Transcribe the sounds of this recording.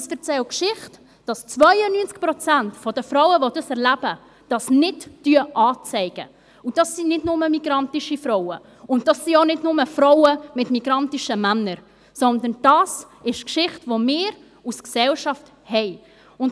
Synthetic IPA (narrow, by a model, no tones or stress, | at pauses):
sfəɾt͡sɛlkʃɪχt | d̥ɑst͡svœɪənynt͡sk̚pɾɔt͡sæntfɔdəfɾɔʊəvodɑsɛɾlæb̥ə | d̥ɑsnɪtːyəʔɑːt͡sɛɪɡ̥ə | ud̥ɑsːinɪdnʊməmiɡ̥ɾɑntiʃifɾɔwə | ʊntd̥ɑsːionɪdnʊməfɾɔʊəmɪtmiɡ̥ɾɑntiʃəmænːəɾ | sɔndənd̥ɑːs | ɪʃkʃɪχtvomɪːɾ | usksɛlʃɑft | hɛɪ | ʊn